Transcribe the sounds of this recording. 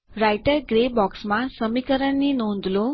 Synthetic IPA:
ɾajʈəɾɡɾebɔksmãsəmikəɾəɳninõnd̪ʱlõ

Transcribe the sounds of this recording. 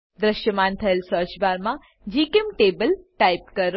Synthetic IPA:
d̪ɾəʃjəmant̪ʰəelsəɾt͡ʃbaɾmã | d͡ʒikemʈebəlʈaip̚kəɾ

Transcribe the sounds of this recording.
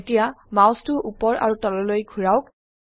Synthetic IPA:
tijamaʊstʊʔupɔɹa̰ɹutɔlɔlojkʰuɹaʊk̚

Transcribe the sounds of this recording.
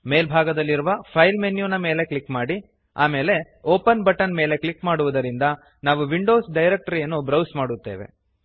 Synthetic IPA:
me̞ːlbʱaːɡɐd̪ɐlːiɾuʋɐpʰɐjlmenjuːnɐme̞ːle̞klikːmaːɽi | a̰ːme̞ːle̞ | oːpɐnbɐʈɐnme̞ːle̞klikmaːɽuʋud̪ɐɾind̪ɐ | naːʋuʋiɳɖo̞ːsɖɐjɾek̚ʈɐɾijɐnːubɾɐwsmaːɽut̪ːe̞̰ːʋe̞̰

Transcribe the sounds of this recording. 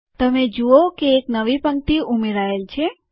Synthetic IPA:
t̪əmed͡ʒuokeːknəʋipəŋ̚t̪iumeɾaelt͡ʃʰe

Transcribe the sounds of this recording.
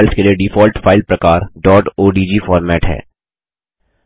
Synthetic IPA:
lskelieɖɪfɔːlʈfaːɪlpɾɐkaːɾɖɔːʈoːɖiːd͡ʒiːfɔːɾmɛːʈɦɛ̰ː

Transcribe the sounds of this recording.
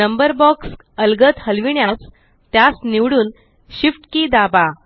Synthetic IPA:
nəmbəɾbɔks | əlɡət̪həlʋiɳjas | t̪jasniʋɽuːn | ɕifʈkiːd̪aba

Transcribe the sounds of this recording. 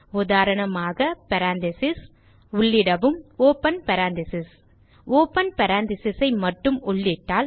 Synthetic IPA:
ʊðaːɾɐɳɐmaːɣɐpɐɾaːnd̪ɪsɪs | ʊɭːɪɽɐʋɯmoːpɐnpɐɾaːnd̪ɪsɪs | oːpɐnpɐɾaːnd̪ɪsɪsɐɪmɐʈrːɯmʊɭːɪʈːaːl

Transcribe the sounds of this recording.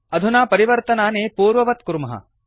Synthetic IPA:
ɐd̪ʱunaːpɐɾiʋɐɾt̪ɐnaːneːpuːɾʋɐʋɐt̪̚kuɾmɐɦɐ̰

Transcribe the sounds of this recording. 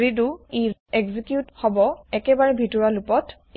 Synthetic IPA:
ɹiduiɛɡzikjuthɔbɔɛkɛbaɹɛbʱitɔɹalupɔt

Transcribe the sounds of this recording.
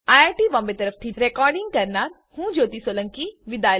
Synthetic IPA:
aːaːʈiʋɐ̃mbet̪ɐɾəfʰt̪ʰiɾekɔːɾɖɪ̃ŋɡkɐɾnaːɾ | hũːd͡ʒoːt̪isoːlə̃ŋkiʋɪd̪aːj

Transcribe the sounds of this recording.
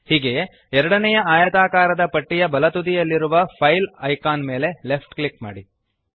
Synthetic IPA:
hiːɡe | ɛɾɐɽɐnɛjɐaːjɐt̪aːkaːɾɐd̪ɐpɐʈːijɐbɐlɐt̪ud̪ijɐlːiɾuʋɐpʰɐjlɐjkaːnme̞ːle̞le̞pʰʈklikma̰ːɽi

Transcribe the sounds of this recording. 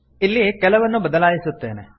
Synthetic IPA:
ilːikɛlɐʋɐnːubɐd̪ɐlaːjisut̪ːeːne

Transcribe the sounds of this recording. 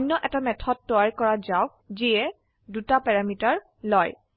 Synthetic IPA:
nːɔʔɛtamɛtʰɔd̚tɔaɹkɔɹazawk̚ | ziɛ | dutapɛɹamitaɹ | lɔj

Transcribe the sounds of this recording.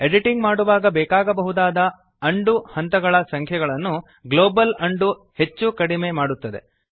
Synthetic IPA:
eɖiʈiŋɡmaːɽuʋaːɡɐbɛːkaːɡɐbɐɦud̪aːd̪ɐ | ɐɳɖuhɐnt̪ɐɡɐɭɐsɐŋkʰjɛɡɐɭɐnːu | ɡlo̞ːbɐlɐɳɖu | he̞t͡ʃːukɐɽime̞maːɽut̪ːɐd̪e̞̰

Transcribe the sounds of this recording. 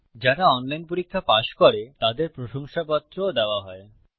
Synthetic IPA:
d͡ʑaɾaɔnlajnpoɾikʰːapaʃkoɾet̪ad̪eɾpɾoʃoŋʃapɔt̪ːɾood̪eoaɦɔe

